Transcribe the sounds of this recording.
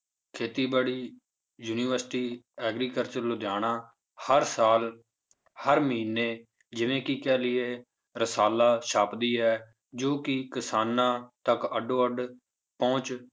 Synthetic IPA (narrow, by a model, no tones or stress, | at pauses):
kʰeːt̪iːbaːɽiː | juːniːʋəɾsʈiːɛːɡɾiːkəɾt͡ʃəɾlʊd̪aːnãː | həɾsaːl | həɾməɦiːnːeː | d͡ʒɪʋẽːkɪkɛːlɪeː | ɾəsaːlaːʃaːpd̪iːɛː | d͡ʒoːkɪkɪsaːnãːt̪əkəɖoːəɖ | pɔ̃ːt͡ʃ